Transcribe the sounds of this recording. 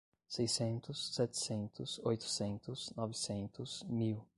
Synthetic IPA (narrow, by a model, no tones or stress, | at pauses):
sejsẽnt̪ʊsːɛt̪ɪ̥sẽnt̪ʊsojt̪ʊ̥sẽnt̪ʊsnɔvɪsẽnt̪ʊsmiw